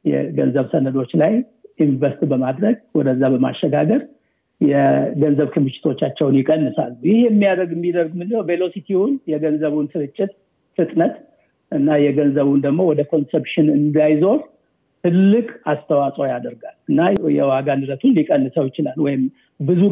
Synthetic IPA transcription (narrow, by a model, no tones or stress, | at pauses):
jɛ̰ɡə̰nzəβsənəd̪o̞t͡ʃːlajʔinɱvəst̪bəmad̪ɾəɡwɔd̪əzːabəma̰ʃːəɡaɡəɾ | jɛɡənzəβkʰɨmɨʃɪ̥t̪ʰo̞t͡ʃːat͡ʃːɛwnjɪkʼənːɨsa̰lːujɪhemːijad̪əɡɨmːid̪əɾɡmɨnd̪ɨhwvelo̞sit̪ʰiwʊnjɛɡənzəβunsɨɾɨt͡ʃʼːɪt̪̚ | fɨt̪ʼnət̪ | ʔɨnːajɛɡənzəβund̪əɡmo̞wɔd̪əkʰo̞nsepʃɪnɨnd̪ajzo̞ | t̪ʰɨlːɨkʼast̪ʰəwasʼojad̪əɾɡalɨnːajɛ̰waɡanɨɾət̪ʰunlikʼənːɨsəwjɪt͡ʃɪlalwɔjɪm | bɨzu